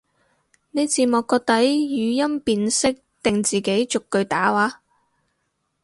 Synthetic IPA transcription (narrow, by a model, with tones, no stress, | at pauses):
ne˨˧jt͡siː˨˧mɔː˨kːɔː˧k̚t̪ɐ˨˥jjyː˨˧jɐ˥mpiː˧nsɪ˥k̚t̪ɪ˨ŋt͡siː˨˩ke˨˥jt͡ʃʊ˨kːɵ˧ɥt̪aː˨˥waː˧˥